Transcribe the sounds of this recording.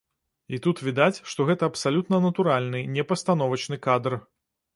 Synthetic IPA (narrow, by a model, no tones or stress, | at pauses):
it̪ut̪vʲid̪at͡sʲʂt̪ɔɣɛt̪ɐɐpsalʲut̪nɐnɐt̪uɾalʲnɨnʲɛpɐst̪anɔvɐt͡ʃnɨkad̪r